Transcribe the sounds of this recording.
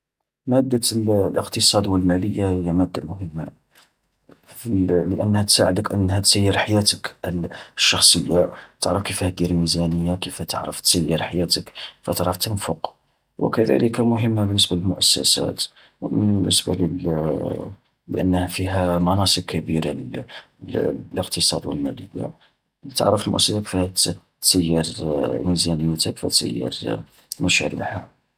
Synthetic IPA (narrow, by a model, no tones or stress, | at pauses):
mæd̪ːaləqt̪əsˤɑd̪wəlmæləjːahəjːæmæd̪ːamʊɦəmːa̰ | fləʔənːhæt̪saʕəd̪əkʔənːhæt̪səjːəɾħajæt̪ək | ʃːɑxsˤəjːat̪əʕɾəfkifhæd̪iɾmizænəjːakifæt̪əʕɾə̰ft̪səjːəɾħajæt̪əkfæ̰t̪ʕɾəft̪ənfʊq | wə̰kæd̪æ̰ləkamʊɦəmːabənːəsbaləlmʊʔæsːæ̰sæ̰t̪ | wbənːəsba̰lə | bəʔə̰nːhfiɦæmɑnɑsˤəb̚kæbiɾa | ləqt̪əsˤɑ̰d̪wə̰lmæd̪ida̰ | t̪ə̰ʕɾəfəlmʊ̰ʔæsːæsaki̥fht̪ | səjːɑɾˤmizænəjːæt̪ækfæt̪sə̰jːɑ̰ɾ | mæʃæ̰ɾḭħa